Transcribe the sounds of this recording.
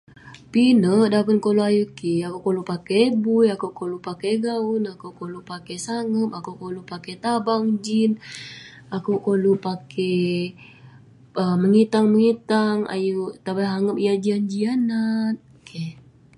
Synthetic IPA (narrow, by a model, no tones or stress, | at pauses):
pinəʔdapənkoloajukiakoʔkolupakeːbujakuʔkolupakeɡaunakuʔkolupakesaŋəpakukolupaket̪abaŋd͡ʒin | akoʔkolupakʰe | əməŋit̪aŋməŋit̪aŋa̰jut̪abaɦaŋəp̚iad͡ʒiand͡ʒianat̪̚ | kʰe